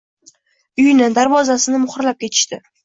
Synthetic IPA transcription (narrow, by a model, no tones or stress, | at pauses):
ʊjnɪd̪aɾvɒzasɪnɪmʊχɾlap̚kʲʰe̞t̪ʰɪ̥ʃt̪ɪ